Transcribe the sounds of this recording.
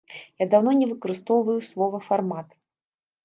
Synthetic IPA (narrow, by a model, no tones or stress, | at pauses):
jad̪awnɔnʲɛvɨkɐɾɨst̪ɔwvɐjuslˠɔvɐfarmat̪